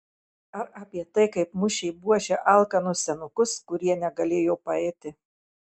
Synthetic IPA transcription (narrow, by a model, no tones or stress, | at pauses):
ɐɾɐːpʲiɛt̪ɐɪkɐɪpmʊʃʲɛɪbuɔʃʲɛʔɐˑlˠkɐnʊssʲɛnʊkʊskʊɾʲiɛnʲɛɡɐlʲeːjoʊpɐɛːt̪ʲɪ